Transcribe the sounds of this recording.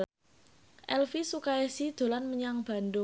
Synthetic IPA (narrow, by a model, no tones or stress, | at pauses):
ʔɛlfisukaɛsid̪̥o̤lanməɲaŋb̥a̤nd̪ʊ